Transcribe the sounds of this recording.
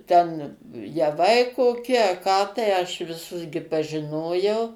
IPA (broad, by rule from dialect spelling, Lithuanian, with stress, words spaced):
ˈtʲɛn jɛˈʋɐɪ koːˈkʲɪ ɐ kɑː tɐɪ ɐʃ ʋʲɪˈsʊs ɡʲɪ pɐʒʲɪˈnoːjɛʊ